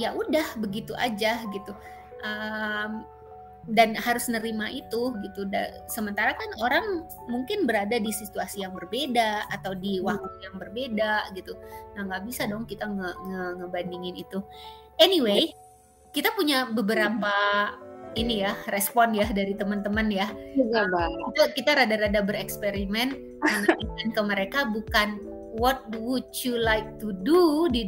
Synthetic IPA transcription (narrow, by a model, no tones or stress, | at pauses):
jaʔudahbəɡit̪uʔa̰d͡ʒahɡit̪u | ʔəm | danhaɾʊsnəɾimaʔit̪uɡit̪uda̰səmənt̪aɾakanoɾaŋ | muŋkɪnbəɾadadisit̪uasijaŋbərbedaːt̪awdiwak̚t̪ujaŋbərbedaɡit̪unahŋɡaʔbisadɔŋkit̪aŋəŋəŋəbandiŋɪnit̪u | ɛniwe | kit̪apuɲabəbəɾapa | inijarɛspɔnjadaɾit̪əmənt̪əmənjaɡabakit̪akit̪aɾadaɾadabəɾɛkspeɾimɛn | aŋikankəməɾekabukan | wɔt̪̚wut͡ʃjulajk̚t̪ududi